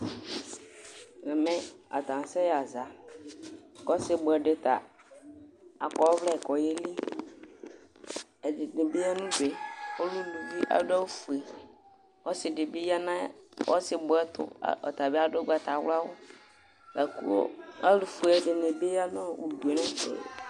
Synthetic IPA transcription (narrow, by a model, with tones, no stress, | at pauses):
nɛ˨mɛ˦a̰˨t̪ã˨n˨sɛ˦ja˨za˨ | kɔ˦sɪ˦bʊ˨ɛ˨dɪ˨t̪a̰˨ | a˨kɔ˨˦vlɛ˦˨kɔ˨jɪ˦li˦ | ɛ˨dɪ˨nɪ˨be˦a˦nũ˦dɛ˨ɔ˦lu˦nu˨vi˦ʔa̰˦da˦wu˦fu˨ɛ˨ | ɔ˦sɪ˨dɪ˨be˦ja˦nã˦ɔ̰˦sɪ˨bʊ˨˦ɛ˦t̪ʊ̰˦ɔ̰˨t̪a˨bɛ˦a˦dɛ˦ɡ͡ba˨t̪a˨˦w̰la˦wʊ˦ | la˨kṵ˦o̰˦a˦lu˨fu˨ɛ˨dɪ˨ne˨be˦ja˦nã˦˨ʔu˨du˨e˨nɛ̃˦tɛ̰˨